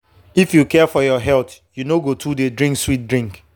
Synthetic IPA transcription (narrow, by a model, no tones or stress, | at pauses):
ifjukɛfɔjɔɦɛltjunoɡotʰudedɹĩŋkswit̚dɹĩŋk